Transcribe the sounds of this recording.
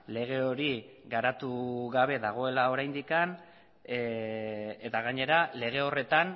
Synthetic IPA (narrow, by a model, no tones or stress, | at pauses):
le̞ɣ̞e̞o̞ɾi | ɣaɾat̪uɣaβ̞e̞ðaɣ̞o̞e̞lao̞ɾajnd̪ikan | e̞t̪aɣaɲe̞ɾale̞ɣ̞e̞o̞re̞t̪an